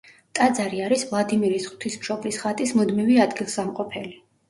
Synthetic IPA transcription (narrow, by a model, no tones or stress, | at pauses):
t̪ʼad̪zaɾiaɾisvlˠad̪imiɾisχʼwt̪ʰismʃɔblisχat̪ʼismud̪miviad̪ɡilˠsamqʼɔpʰɛli